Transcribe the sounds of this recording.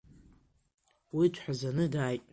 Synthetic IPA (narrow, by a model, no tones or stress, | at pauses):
wit͡ʃʷʰħazanɨdaːjtʼ